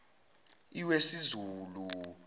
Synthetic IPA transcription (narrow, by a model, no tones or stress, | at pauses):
iwesizuːlu